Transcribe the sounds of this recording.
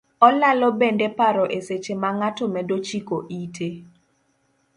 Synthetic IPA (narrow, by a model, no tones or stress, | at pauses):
ɔlalɔbendepaɾɔʔeset͡ʃemaŋatɔmɛdot͡ʃikoʔitʰe